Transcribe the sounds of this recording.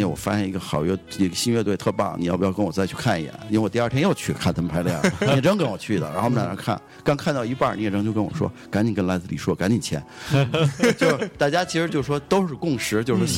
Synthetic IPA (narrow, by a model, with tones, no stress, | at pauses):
ɛ˧˩wɔ̰˨˩fa̰˥ɕjɛ˥i˧˥ɡə˧xɑ˨˩ʊjɛ˥˩˥ɡə˧˩ɕi˥ɥɛ˥˧t̪wt̪ʰɤ˥˧pɑ̰˥˩ŋni˨˩jɑ˥˩pu˧˩jkə˥nwɔ˨˩t͡sa˥˧˩ɪt͡ɕʰy˥˧kʰa˥˩ni˨˩jɛ̰˨˩˦ni˥e˧wɔ˨˩t̪i˧˥˩t̪ʰjɛ˥jo˥˧ʊt͡ɕʰy˥˩kʰa˥˩nt̪ʰa˥mpʰa˧˥ljɑ˥˩˧ɛ˥˧˩ʈ͡ʂə˥ŋkə˥nwɔ˨˩t͡ɕʰy˥˩d̪ə̰˨˩ɻa˧˥xo˥˧˩na˨˩ə̰˧˥kʰa̰˥˩n | kɑ˥ŋkʰa˥˧nt̪ɑ˥˩ʊi˧˥pa˞˥˩n˧ɛ˧˩ʈ͡ʂɤ˥ŋt͡ɕo˥˧ʊkə˥nwɔ̰˨˩ʂwɔ̰˥ | ka˧˥ni˨˩kə˥nla˧˥ɪt͡sɹ̩˥˩t͡ɕi˨˩ʂwɔ˥ka˧˥nni˨˩t͡ɕʰjɛ̰˧˥n | t͡ɕjo˥˧ʂt̪a˥˩t͡ɕja˥t͡ɕʰi˧˥ʂɻ̩˧˥t͡ɕjo˥˧ʊ˩ʂwɔ˥t̪o˥ʊʂɻ̩˥˧kʊ˥˩ŋʂɻ̩˧˥t͡ɕjo˥˧ʊʂɔ˥